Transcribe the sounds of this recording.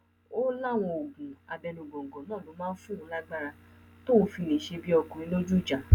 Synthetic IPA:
o˦la˦˨w̃ɔ̃˧o˨ɡũ˨a˧bɛ˧nũ˨ɡɔ̃˨ŋ̩˨ɡɔ̃˨nãː˦˨lo˨˦mãː˦n̩˦fũ˦˨ɾũ˨˧˦la˦ɡ͡ba˦ɾa˧ | to˦wo˧fi˧nĩ˨ʃe˧bi˦ɔ˧kũ˨ɾĩ˧˦lo˦d͡ʒu˦˨d͡ʒa˨

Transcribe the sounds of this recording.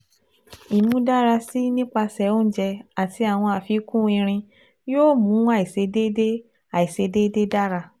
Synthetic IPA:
i˨mũ˨˦da˦ɾa˧si˦nĩ˦k͡pa˧sɛ˨o˦n̩˦d͡ʒɛ˧a˨ti˧a˨w̃ɔ̃˧a˨fi˧˦kũ˦ĩ˧ɾ̃ĩ˧ | joː˦˨mũ˨˦a˦˨i˨se˧de˦de˦ | a˨i˨se˧de˦de˦da˦ɾa˧

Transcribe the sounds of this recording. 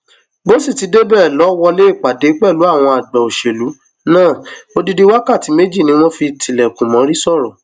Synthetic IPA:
bo˦si˦˨ti˨˧de˦bɛ˦˨lɔ˨˦wɔ˧le˦i˦˨k͡pa˨de˨˦k͡pɛ˦˨lu˨˦a˦˨w̃ɔ̃˧a˨ɡ͡bɛ˨o˨ʃe˨lu˨˦ | nãː˦˨o˧di˧di˧wa˦ka˦˨ti˨˦me˦d͡ʒi˦˨nĩ˧˦w̃ɔ̃˦fi˧tʰi˨lɛ˨kũ˨mɔ̃˨˦ɾi˦sɔ˦˨ɾɔ˨

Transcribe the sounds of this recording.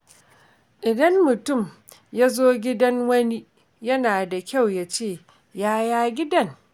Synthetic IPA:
ʔɪ˨dɐ˦mːʊ˨tʊ˦˨m | jaː˦zoː˦ɡʲɪ˦dɐ˦ŋwɐ˦ni˦ | jɐ˦naː˨da˨kʲa˦˨wja˦t͡ʃeː˦˨ | jaː˦jaː˦ɡʲɪ˦dɐ˦˨ŋ

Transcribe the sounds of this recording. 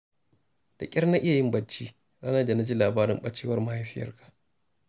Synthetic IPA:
d̥a˨kʲʼɪ˦ɾna˦ʔɪ˦ja˨jɪ˦mbɐ˦t͡ʃːiː˦ | ɽa˦nɐ˦da˨na˦d͡ʒiː˦laː˨baː˦ɾɪ˦mɓɐ˦t͡ʃːeː˦wɐ˦rma˦ha˦jɸɪ˦jɐ̰˦rkʰḁ˨ʔ

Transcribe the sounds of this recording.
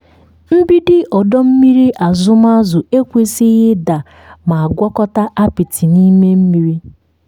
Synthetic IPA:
m̩˦bi˦dɪ˦ʔɔ˨dɔ˦m̩˦mi˦ɾi˦ʔa˨zʊ˦m˦a˦zʊ˨e˦kʷe˦sɪ˦ɣɪ˦da˨ | ma˨a˨ɡʷɔ˦kɔ˦ta˦ʔa˦pi˨tʰi˨ni˦me˦m̩˦mi˨ɾi˦

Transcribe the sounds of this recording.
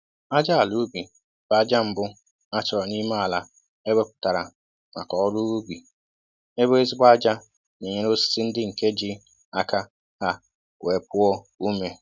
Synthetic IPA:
a˦d͡ʒa˦a˨lu˦bi˨ | b̥a˨a˦d͡ʒa˦m̩˨bʊ˦ | a˦t͡ʃɔ˨ɾɔ˨ni˦ma˦a˨la˨ | e˦be˦pʊ̥˨ta˨ɾa̰˨ | na̰˨kɔ˨ɔ˦ɾu˦u˦bi˨ | e˦be˦e˦zi˦ɡ͡bʷa˦d͡ʒa˦ | ne˨ɲe˦ɾo˦si̥˦si˦n̩˦dɪ˦ŋ̩˨ke˦d͡ʒɪ˦ | a˦ka˦ | ha˦ | we˨pʊ˦ɔ˦ | u˦me˨

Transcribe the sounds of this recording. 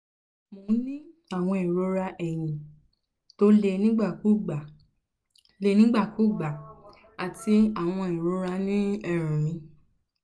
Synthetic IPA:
mo˨˦nĩ˦ | a˦˨w̃ɔ̃˧ĩ˨ɾo˨˧˦ɾa˧ʔɛ˨j̃ĩ˨ | to˦le˧nĩ˦ɡ͡ba˦˨ku˦˨ɡ͡ba˨ | le˧nĩ˦ɡ͡ba˦˨ku˦˨ɡ͡ba˨ | a˨ti˧a˨w̃ɔ̃˧ĩ˨ɾo˨˧˦ɾa˧nĩ˦ɛ˨ɾ̃ã˨mĩ˧

